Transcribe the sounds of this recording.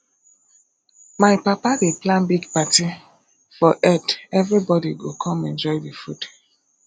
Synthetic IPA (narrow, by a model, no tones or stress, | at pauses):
majpapadeplãnbiɡpati | fɔʔɛtɛvɾibɔdiɡokʰɔmɛ̃nd͡ʒɔjdifud